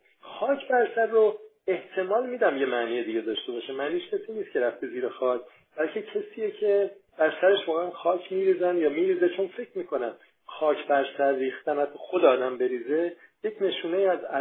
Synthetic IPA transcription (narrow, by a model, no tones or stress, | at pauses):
xɒːcʰbæɾsæɾːo | e̞ht̪ʰe̞mɒːlmiːd̪æmjemæniːje̞d̪iɟe̞d̪ɒʃt̪e̞bɒːʃemæniʃcʰæsiːniːst̪kcʰe̞ɾæft̪eziːɾexɒːcʰ | b̥ælcʰe̞cʰesiːjecʰe̞b̥æɾsæɾeʃvɒːɣeænxɒːcʰmiːɾiːzænjɒːmiːɾiːze̞t͡ʃʰo̞nfe̞cʰɾmiːkʰo̞næm | xɒːcʰbæɾsæɾːiːxt̪ænhæt̪ʰːɒxod̪eɒːd̪æmbe̞ɾiːze̞je̞cʰne̞ʃuːnejiːæzæ